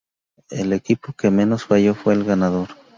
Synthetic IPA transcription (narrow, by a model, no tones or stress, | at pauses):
elekipokemẽnosfajo̞fweːlɣanaðo̞ɾ